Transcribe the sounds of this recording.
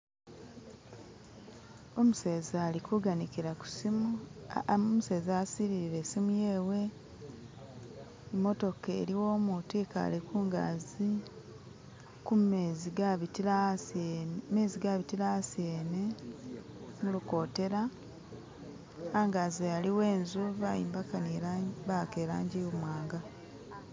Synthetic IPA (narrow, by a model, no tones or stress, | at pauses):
o̞museːzaːlikuɡanikiɾaku̥si | omuse̞ːzaːsiɾiiɾe̞simujeːwe̞ | emːo̞to̞kḛɾiwo̞mutika̰ːlikuːŋɡa̰zi | kumeziɡaita | me̞ːziɡaβitilaseːne | muluko̞ːte̞ɾa | ŋɡazejaliwe̞ːnzuvajḭːmbakaneβakeːɾaːɲɟijomwaːŋɡa